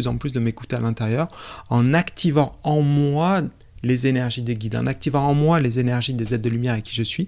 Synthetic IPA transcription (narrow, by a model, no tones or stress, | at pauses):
yzɑ̃plysd̪əmeku̥t̪ealɛ̃t̪eʁjœːʁɑ̃nakt̪ʰivɑ̃ɑ̃mwa | lezenɛʁʒid̪eɡʲid̪ɑ̰̃nak̚t̪ivɑ̃ɑ̃mwalezenɛʁʒid̪ezɛt̪̚d̪əlymjɛʁakʲi̥ʒəsɥi